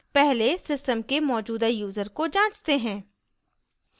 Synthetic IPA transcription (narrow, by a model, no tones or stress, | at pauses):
pɛɦlesɪsʈəmkemɔːd͡ʒuːd̪ajuːzəɾkod͡ʒãːt͡ʃt̪eɦɛ̃ː